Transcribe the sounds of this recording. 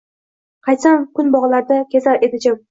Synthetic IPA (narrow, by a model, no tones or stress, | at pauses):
qʰɑj̪samkʰʊnbɒʁlaɾd̪akʲʰezaɾʔe̞d̪ɪd͡ʒa